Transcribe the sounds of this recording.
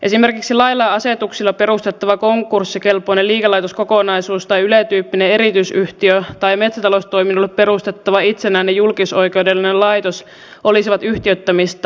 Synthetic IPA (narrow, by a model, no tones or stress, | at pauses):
ʔe̞sime̞rkiksilɑjlːˑɑːɑset̪uksilːɑpe̞ɾust̪et̪ːɑʋɑko̞ŋkːˑursːikelpoineliːkelɑjt̪osko̞konɑisuːst̪ɑjylet̪yːpːinee̞ɾit̪yisyht̪iøt̪ɑjme̞t̪sæt̪ɑlost̪oiminːulːeppe̞ɾust̪e̞t̪ːɑʋɑit̪senæːnːejulkiso̞ike̞wdelːinellɑjt̪os | ʔo̞lisiʋɑt̪yht̪iøt̪ːæmist̪